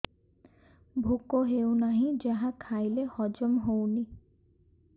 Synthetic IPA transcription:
bʱukoɦewnaɦĩd͡ʒaɦakʰajlehɔd͡ʒɔmɦowni

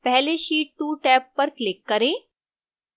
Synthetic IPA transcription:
pɛɦleʃiːʈ̚ʈuːʈɛːpːɐɾklɪkːɐɾẽː

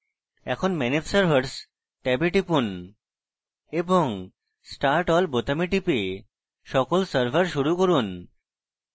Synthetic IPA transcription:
ɛ̰kʰonmɛnit̪səɾbʱaɾs | ʈɛbeʈipun | eboŋ | sʈaɾʈɔlbot̪amiʈipe | ʃɔkolsəɾbʱaɾʃuɾukoɾun

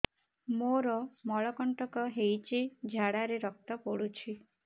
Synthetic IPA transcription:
moɾɔmɔɭɔkɔɳʈɔkɔɦejt͡ʃʰid͡ʒʱaɽaɾeɾɔk̚t̪ɔpɔɽut͡ʃʰi

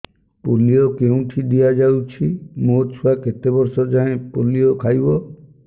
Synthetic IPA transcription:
poliokeũʈʰidiad͡ʒawt͡ʃʰimot͡ʃʰuaket̪ebɔɾsɔd͡ʒaẽpoliokʰajbɔ

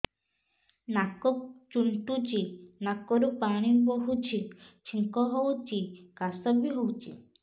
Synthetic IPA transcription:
nakɔk̚t͡ʃuɳʈut͡ʃinakɔɾupaɽ̃iboɦut͡ʃʰit͡ʃʰiŋkɔɦowt͡ʃikasɔbiɦowt͡ʃʰḭ

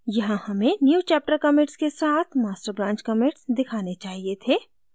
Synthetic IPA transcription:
jɐɦãhɐmẽnjuːt͡ʃɛːp̚ʈəɾkɐmẽʈskesaːt̪ʰmaːsʈəɾbɾãːɲt͡ʃkɐmẽʈsd̪ɪkʰaːnet͡ʃaːɦiet̪ʰeː

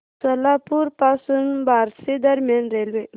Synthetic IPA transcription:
sɐlapuɾpaːsunbaːɾsed̪ɐɾmjanɾelʋe

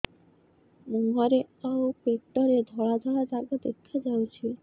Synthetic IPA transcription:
muŋaɾeawpekʈːɔɾed̪ʱɔɭad̪ʱɔɭad͡ʒaɡod̪ḛkʰad͡ʒawt͡ɕʰi

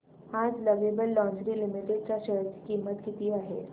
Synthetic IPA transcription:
aːd͡ʒlɐʋeːbəlːɔ̃ːnd͡ʒɾilɪmɪʈɪɖ̚kaʃəɦəɾti̥kiːmːət̪kit̪iaːɦɛ̰ː

